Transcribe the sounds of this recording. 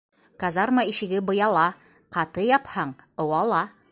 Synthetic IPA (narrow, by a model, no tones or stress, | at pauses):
kazɑɾmɑiʃɘ̆ɡɘbɤ̆jɑlˠɑ | qɑt̪ɤjɑphɑɴɤ̆wɑlˠɑ